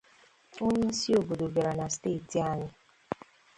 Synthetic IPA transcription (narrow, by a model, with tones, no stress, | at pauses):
o˦ɲɪ˦si˦o˨bo˨do˨ba˨ɾa˨na˨ste˦˨ti˨a˦ɲɪ˦